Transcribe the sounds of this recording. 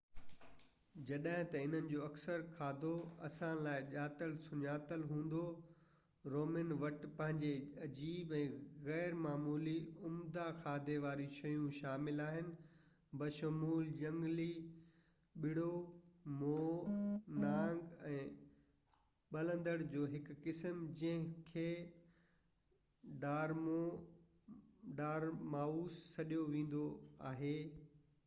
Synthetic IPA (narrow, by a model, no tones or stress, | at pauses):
d͡ʑɐɗɦɪ̃t̪ɐɪn̤ənɪ̆d͡ʑoːɐksəɾkʰaːd̪ʱoɐsãlaːɪʄaːt̪əlsʊɲaːt̪əlɦũːn̆d̪o | ɾoːmɪnʋɐʈpɐ̃ɦɪ̃ɲd͡ʑeɐd͡ʑiːbɛ̃ːɣɛːɾmaːmuːliʊmd̪axʰaːd̪ʱeʋaːɾiʃɐjũʃaːmɪlaːɦɪnɪ̆ | bɐʃɐmuːld͡ʑɐ̃ŋɡli | ɓɪɽ̤omoːnãːŋɡɛ̃ː | ɓɐlə̃nd̪əɽd͡ʑoːɦɪkːɪsəmd͡ʑɐ̃ɦɪ̃kʰeː | ɖaːɾmo | ɖaːɾmaːuːsːɐɗijoʋẽːn̆d̪oa̰ːɦeː